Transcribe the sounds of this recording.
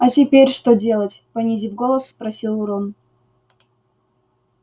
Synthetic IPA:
ɐtʲɪpʲeɾʲʂt̪odʲe̞lˠətʲpɐnʲizʲivɡolˠəsːpɾɐsʲilˠʊɾon

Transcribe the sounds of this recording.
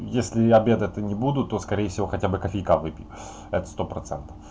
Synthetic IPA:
jesʲlʲɪɐbʲe̞d̪ɛt̪ənʲɪbud̪ʊt̪ːo̞skɐɾʲejəfsʲɪvo̞xɐtʲabɨkɐfʲɪjkavɨpʲɪ | ɛt̪ə̥st̪o̞pɾɐt̪sɛ̰nt̪ə̥f

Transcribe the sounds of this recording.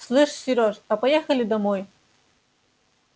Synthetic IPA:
slˠɨʂsʲɪɾʲɔtɐpɐjɛxɐlʲɪd̪ɐmɔj

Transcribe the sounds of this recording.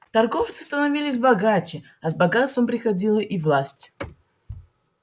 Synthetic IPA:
t̪ɐrɡoft̪sɨ̥st̪ənɐvʲilʲɪsʲbɐɡat͡ʃɪ | ɐzbɐɡat̪st̪vəmpɾʲɪxɐdʲilˠəʔivlˠasʲtʲ

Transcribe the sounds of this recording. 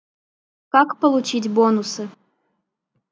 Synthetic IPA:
kakpəlˠut͡ɕit̬ʲbonusɨ

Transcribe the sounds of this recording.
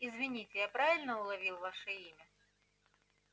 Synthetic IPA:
ɪzvʲɪnʲitʲɪjapɾavʲɪlʲnəʊlˠɐvʲilˠvaʂəimʲə

